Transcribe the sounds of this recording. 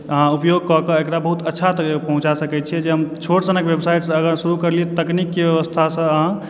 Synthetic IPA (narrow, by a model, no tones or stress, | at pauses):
əɦãupjoɡ̚kɔkeekɾabəɦut̪ətːʃʰat̪pəɦũt͡ʃasəkɛt͡ʃʰiɛd͡ʒeɦəmt͡ʃʰoʈsənəkbebsajʈsə̃əɡəɾsuɾukəɾliɛt̪t̪əknikːebeʋəst̪ʰasə̃əɦã